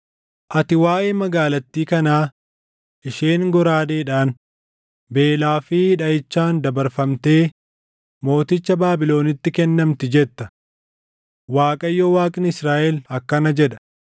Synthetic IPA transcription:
ʔɐt̪ɪwaːʔeːmɐɡaːlɐt̪ːiːkɐnaː | ʔɪʃeːŋɡɔɾaːd̪eːᶑaːn | be̞ːlaːfɪhɪᶑɐɪt͡ʃːaːnd̪ɐbɐɾfɐmt̪eː | mo̞ːt̪ɪt͡ʃːɐbaːbɪlo̞ːnɪt̪ːɪkɛnːɐmt̪ɪd͡ʒɛt̪ːɐ | waːkʼɐjːoːwaːkʼɪnɪsɾaːʔɛlɐkːɐnɐd͡ʒɛᶑɐ̥

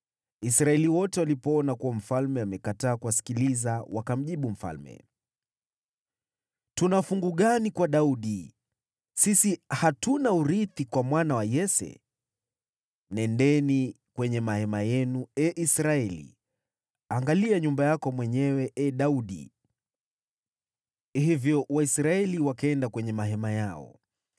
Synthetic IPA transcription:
isɾaɛliwɔtɛwalipɔɔnakuwam̩falmɛamɛkataːkuwasi̥kilizawakam̩ʄiɓum̩fa̰lmɛ̰ | tunafuŋɡuɠanikwaɗauɗi | sisihatunauɾiθikwamwanawajɛsɛ̰ | nɛndɛni | kwɛɲɛmahɛmajɛnuɛʔisɾaɛlḭ | aŋɡaliaɲumbajakɔmwɛɲɛwɛʔɛɗauɗḭ | hivjɔwaisɾaɛliwakɛndakwɛɲɛmaɦɛmajaɔ̰

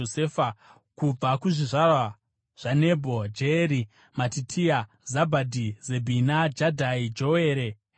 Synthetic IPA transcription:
oseːfa | kub͡vakuʐiʐarwa | ʐ̥anebʱod͡ʒeɾi | matitʰia | zabʱadʱizebʱinad͡ʒadʱaid͡ʒoweːɾe

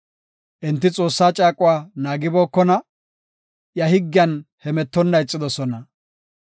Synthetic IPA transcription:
ʔɛnt̪ːɪt͡sʼo̞ːsːaːt͡ʃʼaːkʼʊwaːnaːɡɪboːkːɔnɐ | jɐhɪɡːɪjɐnhɛmɛt̪ːɔnːɐɪt͡sʼːɪd̪ɔsɔnɐ

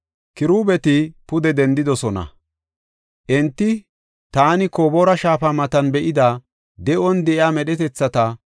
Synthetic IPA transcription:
kɪɾuːbɛt̪ɪpʊd̪ɛd̪ɛnd̪ɪd̪ɔsɔnɐ̰ | ʔɛnt̪ːɪ | t̪aːnɪko̞ːboːɾɐʃaːfamɐt̪ɐnbɛʔɪd̪aː | d̪ɛʔɔnd̪ɛʔɪaːmɛɗɛt̪ɛt͡sːɐt̪ɐ

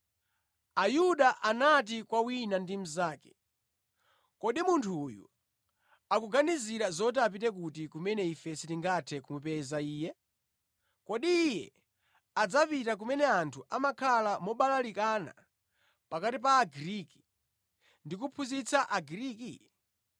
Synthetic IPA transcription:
ajuɗaʔanat̬ikwawinandimuzaːkɛ̥ | kɔɗimuntʰuːjṵ | akuɡaniziɾazɔt̬ap̬itɛk̬utikumɛnɛifɛsitiŋɡatʰɛkumupɛzaiːjɛ | kɔɗiːjɛ̰ | ad͡zapitak̬umɛnɛantʰuʔamakʰalamɔɓalalikana̰ | pakatip̬aːɡiɾiki̥ | ndik̬upʰuzit͡sʰaʔaɡiɾiːki

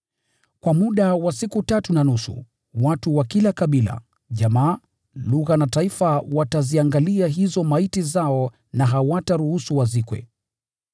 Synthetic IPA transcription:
kwamuɗawasikutatunanusṵ | watuwakilakaɓila̰ | ʄamaː | luɣanataifawataziaŋɡaliaɦizɔmaitizaɔ | naɦawataɾuhusuwazikwɛ̰

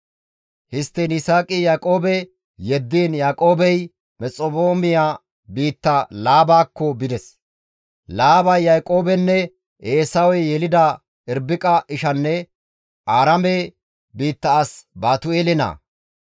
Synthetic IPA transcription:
hɪst̪ːɛnɪsaːkʼɪjaːkʼo̞ːbɛ | jɛd̪ːiːnjaːkʼo̞ːbɛj | mɛt͡sʼɔbo̞ːmɪjaː | biːt̪ːɐlaːbaːkːɔbɪd̪ɛs | laːbɐjːajkʼo̞ːbɛnːɛ | ʔeːsɐwɔjjɛlɪd̪ɐ | ɪɾbɪkʼɐʔɪʃɐnːɛ | ʔaːɾɐme | biːt̪ːɐːsbaːt̪ʊeːlɪna̰ː

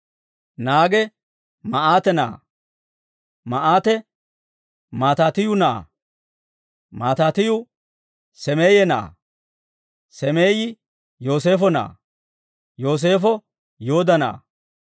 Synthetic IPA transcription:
naːɡɛ | mɐʔaːt̪ɛna̰ː | mɐʔaːt̪ɛ | maːt̪aːt̪ɪjʊna̰ː | maːt̪aːt̪ɪjʊ | sɛmeːjɛna̰ː | sɛmeːjɪ | jo̞ːs̬e̞ːfɔna̰ː | jo̞ːs̬e̞ːfɔ | jo̞ːd̪ɐna̰ː

